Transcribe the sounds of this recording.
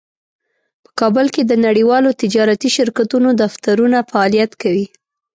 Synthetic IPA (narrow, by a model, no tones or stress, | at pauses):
pə̥kɑbəlked̪ənaɽiwɑlot̪ɪd͡ʒɑɾat̪iʃɪɾkat̪unod̪aft̪aɾunafaɑlijat̪kawi